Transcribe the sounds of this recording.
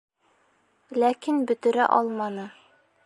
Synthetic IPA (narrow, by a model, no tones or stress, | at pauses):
lækinbɵ̆t̪ɵ̆ɾæ̰ʔɒlˠmɑnɤ